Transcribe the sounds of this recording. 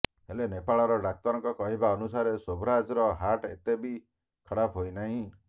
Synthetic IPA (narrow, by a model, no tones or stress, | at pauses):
ɦelenepaɭɔɾɔɖak̚t̪ɔɾɔŋkɔkɔɦibaɔnusaɾesobɾad͡ʒɾɔɦaʈet̪ebi | kʰɔɽapʰɦojnaɦĩ